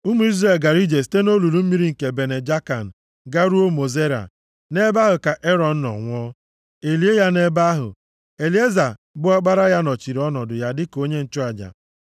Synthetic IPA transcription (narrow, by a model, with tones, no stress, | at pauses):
u˦mu˨˦i˦zɾa˨e˨lɡa˨ɾi˦d͡ʒe˨si̥˨te˦no˦lu˨ɾu˦m̩˦mi˦ɾi˦ŋ̩˨ke˨be˨ne˨d͡ʒa˦ka˨n̩˨ | ɡa˦ɾu˦o˦mo˨ze˦ɾa̰˨ | ne˦ba˦ɦʊ˨ka˨ʔe˦ɾɔ˨n̩˦nɔ̰˨ŋʷ˦ɔ˦ | e˨li˨˦e˦ja˦ne˦ba˦ɦʊ̰˨ | e˨li˨˦e˦za˨ | bʊ˦a˦ɡ͡ba˦ɾa˦ja˦nɔ˨t͡ʃi˨ɾi˨˦ɔ˦nɔ˨dʊ˨ja˦dɪ˦ko˦ɲe˦n̩˨t͡ʃɔ˦a˨d͡ʒa̰˨